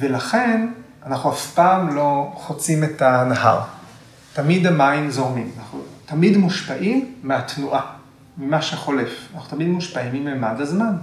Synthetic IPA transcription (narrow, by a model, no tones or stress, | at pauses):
ve̞laχe̞n | anaχuafpaːmlo̞χot͡sime̞tanaha̰ʁ | tamid̪amainzo̞ʁmimanaχut̪amidmuʃpaʔimːeat̪nuʔa | mimaʃeχo̞le̞fanaχnu̥t̪amidmuʃpaimimemadazman